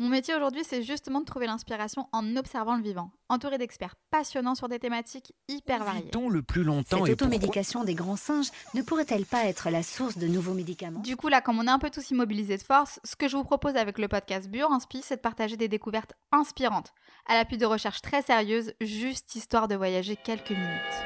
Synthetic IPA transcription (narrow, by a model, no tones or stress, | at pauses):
mɔ̃met̪jeoʒuʁd̪ɥisɛʒyst̪əmɑ̃d̪ət̪χuvelɛ̃spiʁasjɔ̃ʔɑ̃nɔpsɛʁvɑ̃ləvivɑ̃ | ɑ̃t̪uʁed̪ɛkspɛʁpasjɔnɑ̃syʁd̪et̪emat̪ikipɛʁvaʁjḛ̃ləplylɔ̃tsɛ̃ot̪omed̪ikasjɔ̃d̪eɡʁɑ̃sɛ̃ʒnəpuʁɛt̪ɛlpaɛt̪χəlasuʁsd̪ənuvomed̪ikamɑ̃d̪ykulakɑ̃mɔ̃naɛ̃pøt̪usimɔbilized̪əfɔʁsːə̥kəʒəvupχɔpozavɛkləpɔd̪̚kʲast̪̚bjoʁɑ̃spisɛd̪əpaʁt̪aʒed̪ed̪ekuvɛʁt̪ | ɛ̃spiʁɑ̃t̪ | alapɥid̪əʁəʃɛʁʃt̪χɛseʁjøzʒyst̪ist̪waʁd̪əvwajaʒekʲɛlkəminyt̪